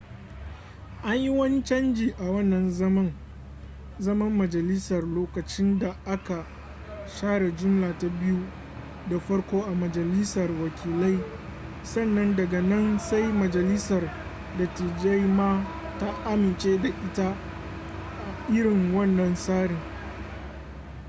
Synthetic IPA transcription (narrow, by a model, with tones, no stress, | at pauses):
ʔa˦ɲji˦wɐ˦nt͡ʃɐ˦nd͡ʒiː˨ʔa˨wɐ˦nːɐ˨nzɐ˦mɐ˦ŋ | zɐ˦mɐ˦mːɐ˨d͡ʒɐ˨lɪ˦sɐ˨rloː˦kɐ˨t͡ʃɪ˦nda˨ʔa˦ka˨ | ʃaː˦ɽa˨d͡ʒʊ˦mlaː˨ta˦bɪ˦ju˦ | da˨ɸɐ˦ɽkʷoː˦ʔa˨mɐ˨d͡ʒɐ˨lɪ˦sɐ˨rwɐ˨kʲʰiː˨la˦j | sɐ˦˨nːɐ˦ndɐ˨ɡa˨nɐ˦nsa˦jmɐ˨d͡ʒɐ˨lɪ˦sɐ˨r | dɐ˨ti˨d͡ʒa˦jmaː˦ | ta˦ʔa˦mɪ˨nt͡ʃeː˦da˨ʔɪ˦ta˦ | ʔa˨ʔɪ˦ɽɪ˨ŋwɐ˦˨nːɐ˨nsaː˦ɽɪ˨ŋ